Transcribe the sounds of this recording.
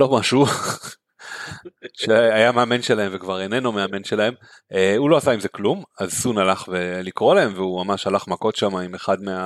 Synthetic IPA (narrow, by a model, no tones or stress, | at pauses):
lo̞maʃu | ʃeajameame̞nʃelaemvekvaʁenenomeame̞nʃelahe̞m | eulo̞asaimzeklumazsunalaχve̞likʁo̞lae̞mveumamaʃalaχmako̞tʃamaime̞χad̪mea